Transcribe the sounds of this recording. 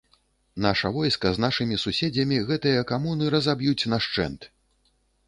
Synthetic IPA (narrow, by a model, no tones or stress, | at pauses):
naʂɐvɔjskɐznaʂɨmʲisusʲed͡zʲɐmʲiɣɛt̪ɨjɐkamunɨɾɐzabjut͡sʲnaʂt͡ʂɛ̰nt̪